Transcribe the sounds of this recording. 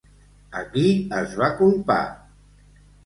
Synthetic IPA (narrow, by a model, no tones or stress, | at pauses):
əkiəzβakumpa̰